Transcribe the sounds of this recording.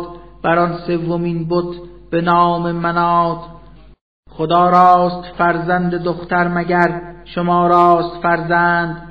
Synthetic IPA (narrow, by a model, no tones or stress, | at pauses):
t̪b̥æɾɒːnse̞vːomiːnbot̪ʰ | b̥enɒːme̞mænɒːt̪ | χod̪ɒːɾɒːst̪fæɾzænd̪ed̪oxt̪æɾmæɟæɾʃomɒːɾɒːst̪fæɾzænd̪